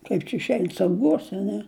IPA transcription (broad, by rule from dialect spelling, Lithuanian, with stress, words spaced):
ˈkɐɪp t͡ʃʲɛ ɪʃʲˈɛɪn sɐʊˈɡuɔsʲɛ ɐ ˈnʲɛ